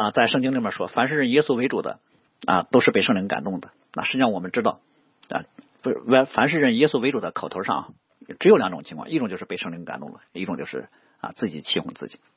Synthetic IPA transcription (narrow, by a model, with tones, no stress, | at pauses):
ə˧t͡sa˥˧ɪʂɤ˥˧ŋt͡ɕi˥ŋli˥˩ə˥˨˩ʂwɔ˥fa˧˥nʂɻ̩˥˧ɻə˥˩njɛ˥su˥we˧˥ɪʈ͡ʂu˨˩d̪ə̰˦ | ɐ̰˧t̪o˥ʊʂɻ̩˥˧pe˥˧ɪʂɤ˥˧ŋli˧˥ŋka̰˨˩nt̪ʊ˥˩ŋd̪ə˩ | na̰˥˧ʂ̩˥˧˥ʂwɔ˨˩mə˦nʈ͡ʂɻ̩˥t̪ɑ˥˩ʊ | ɐ̰˧˥˧ | fa˧˥nʂ̬ɻ̩˥˧ɻə˥˩njɛ˥su˥we˧˥ɪʈ͡ʂu˨˩d̪ə˦kʰɑ˨˩ʊt̪ʰo˧˥ʂɑ̰˥˩ŋ˨ | ʈ͡ʂɻjʊljɑ˧˥ʈ͡ʂʊ˨˩ŋt͡ɕʰŋkʰwɑ̰˥˧i˥˩ʈ͡ʂŋt͡ɕo˥˧ʊʂɻ̩˥˧pe˧ʂɤ˥˩ŋli˧˥ŋka˨˩nt̪ʊ̰˥˩ŋlə˩i˥˩ʈ͡ʂʊ˨˩ŋt͡ɕo˥˧ʂɻ̩˥˩ | ɐ̰˧t͡sɹ̩˥˩t͡ɕi˨˩t͡ɕʰi˥˧xʰʊ̰˧˥˩ŋt͡sɹ̩˥˩t͡ɕi̥˨˩˦